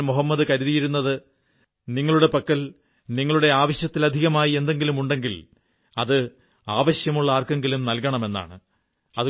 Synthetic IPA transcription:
moɦɐmːɐd̪ɨkɐɾuðijiɾunːɐðɨ | niŋːɐɭuɽe̞pɐkːɐl | niŋːɐɭuɽe̞aːʋɐɕjɐt̪ːilɐd̪ʱiɣɐmaːjie̞nd̪e̞ŋɡilumuɳɖe̞ŋɡil | ɐðɨ | aːʋɐɕjɐmuɭːɐaːrkɐŋɡilumnɐlkɐɳɐme̞nːa̰ːɳɨ | ɐðɨ

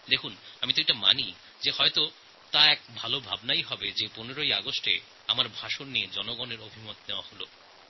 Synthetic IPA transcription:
d̪ekʰunamit̪oejʈama̰ni | d͡ʑehɔet̪o | t̪aɛk̚bʱalobʱa̰bnajɦɔbed͡ʑeponeɾojaɡosʈḛ | amaɾbʱaʃonːied͡ʑɔnoɡɔneɾobʱimot̪̚neoaholo̰

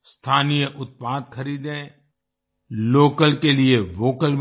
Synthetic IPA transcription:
st̪ʰaːnijəʔʊt̪̚paːd̪xʰɐɾiːd̪ẽ | loːkəlkelieʋoːkəlm

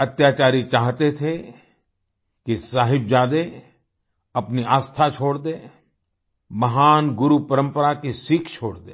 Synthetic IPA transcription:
ɐt̪jaːt͡ʃaːɾit͡ʃaːɦt̪et̪ʰe | kisaːɦɪbd͡ʒaːd̪e | ɐpniaːst̪ʰat͡ʃʰoːɽd̪eː | mɐɦaːnɡʊɾupɐɾə̃mpəɾakisikʰt͡ʃʰo̰ːɽd̪eː

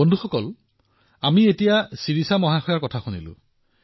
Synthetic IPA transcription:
ondʱuxɔkɔl | amietijasiɹisamɔɦaxɔjaɹkɔtʰaxunilʊ̰̃

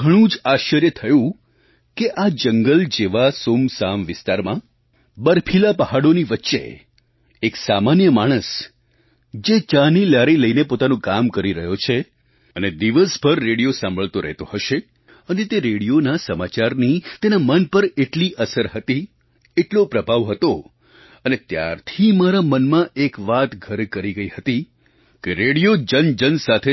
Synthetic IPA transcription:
ɡʱəɽ̃ũd͡ʒaʃəɾjət̪ʰəjũ | keʔad͡ʒəŋɡəld͡ʒeʋasomsamʋɪst̪aɾmã | bəɾpʰilapəɦaɽoniʋətːʃḛ | eksamanjəmaɽ̃əs | d͡ʒet͡ʃãnilaɾiləinepot̪anũkamkəɾiɾəɦjot͡ʃʰe | əned̪iʋəsbʱəɾːeɽijosãmbʱəɭt̪oɾɛ̰ɦt̪oɦəʃe | ənet̪eɾeɽijonasəmat͡ʃaɾnit̪enamənpəɾeʈliʔəsəɾɦət̪i | eʈlopɾəbʱaʋɦət̪o | ənet̪ja̰ɾt̪ʰimaɾamənmãʔekʋat̪ɡʱəɾkəɾiɡəiɦət̪i | keɾeɽijod͡ʒənd͡ʒənsat̪ʰe

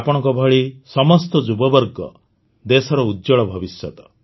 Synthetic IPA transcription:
apɔɽ̃ɔ̃ŋkɔbʱɔɭisɔmɔst̪ɔd͡ʒubɔbɔɾɡɔ̰ | d̪esɔɾɔudjɔɭɔbʱɔbisjɔt̪ɔ̥

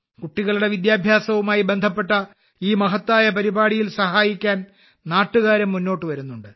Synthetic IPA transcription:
kuʈːiɣɐɭuɽe̞ʋid̪jaːbʱjaːsɐʋumaːjibe̞nd̪ʱɐpːe̞ʈːɐ | iːmɐɦɐt̪ːaːjɐpɐɾibaːɽijilsɐɦaːjikʲːaːn | naːʈːuɣaːɾɐmːunːo̞ːʈːɨʋɐɾunːuɳɖɨ

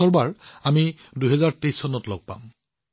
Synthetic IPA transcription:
ɔɹbaɹami | duɦɛzaɹtejsʰɔnɔtlɔ̰ɡ̚pa̰m

